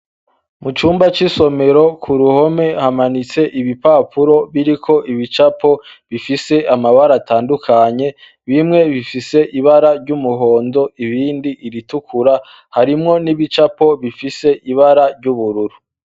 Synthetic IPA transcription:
mut͡ʃuːmbat͡ʃiso̞me̞ɾo̞kʰuɾuho̞me̞hamanit͡se̞ʔiβipaːpʰuɾo̞βiɾikʰo̞ʔiβit͡ʃapʰo̞βifise̞ʔamaβaɾataːndukʰaɲe̞ | βimŋe̞βifise̞ʔiβaɾaɾɟumuɦo̞ːndo̞iβiːndiʔːɾitukʰuɾa | haɾimŋo̞niβit͡ʃapo̞βifise̞ʔiβaɾaɾɟuβuɾuɾu

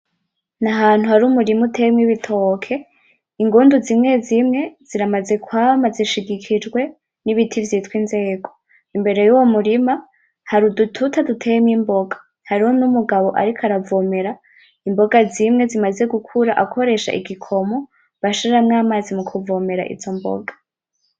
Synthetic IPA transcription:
naɦaːn̥uhaɾumuɾimutʰemŋiβitʰo̞kʰe̞ | iŋɡuːnduzimŋe̞zimŋe̞z̥iɾamaze̞kwaːmaziʃiɡikʰid͡ʒɡwe̞ | niβitʰivjitkwinze̞ːɡo̞̥ | imbe̞ɾe̞juwomuɾima | haɾudutʰutadutʰemimbo̞ɡḁ | haɾiho̞numuɡaβo̞ʔa̰ɾikʰaɾavome̞ɾa | imbo̞ɡazimŋe̞zimaze̞ɡukʰuɾaʔakʰo̞ɾe̞ʃa̰ʔiɡikʰo̞mo | βaʃoɾɾamŋaːmaːzimukʰuvome̞ɾa̰ʔḭzo̞mbo̰ɡḁ

